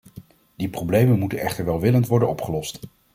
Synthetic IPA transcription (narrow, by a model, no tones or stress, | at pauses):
d̥iprowblejmənmutənɛχtəɹʋɛlˠʋɪləntʋɔɹdənɔpχəlɔst